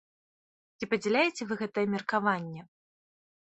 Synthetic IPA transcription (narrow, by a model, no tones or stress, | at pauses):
t͡sʲipɐd͡zʲɛlʲajet͡sʲɛvɨɣɛt̪ɐjɛmʲɛrkavanʲːɛ